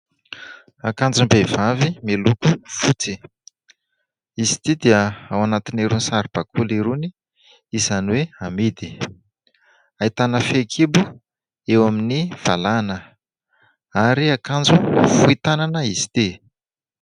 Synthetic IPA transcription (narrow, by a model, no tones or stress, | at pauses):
akand͡zumbev̥avimelukufut͡si̥ | isi̥t̪id̪eəawanat̪ineɾunisaɾib̥akʰuliɾuni | izaniweamid̪i̥ | ait̪anəfekʰibu | ewaminiv̥alanə | aɾiakand͡zufuit̪ananəisi̥t̪i